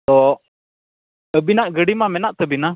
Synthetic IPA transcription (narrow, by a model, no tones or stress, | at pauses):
t̪ɔ | əbinaʔɡəɽimamɛnaʔt̪əbina